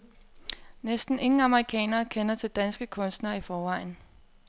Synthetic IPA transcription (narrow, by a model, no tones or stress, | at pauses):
nesd̥n̩e̝ŋŋ̩ɑ̈məʁikʰɛ̰ːnɐːkʰenɐt͡sʰe̝ld̥ænsɡ̥əkʰɔ̽nsd̥nɐifɒːʋɑ̈ɪ̰n̩